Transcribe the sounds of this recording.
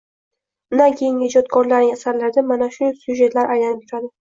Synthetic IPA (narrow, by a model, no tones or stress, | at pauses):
nakʲʰejɪŋɪd͡ʒɒd̪ɡɒnlaɾnɪŋasaɾlaɾd̪amanaʃʊsjuʒe̞t̪laɾʔajlanɪp̚t̪ʰʊɾad̪ɪ